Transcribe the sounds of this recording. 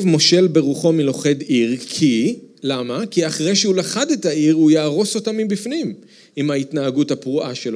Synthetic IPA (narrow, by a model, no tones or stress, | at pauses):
vmo̞ʃe̞lbe̞ʁuχo̞milo̞χe̞diʁkʰilamakiaχʁejʃeulaχade̞taiʁujaːʁo̞so̞tamibifnim | imaitnaːɡuthapʁuʔaʃelo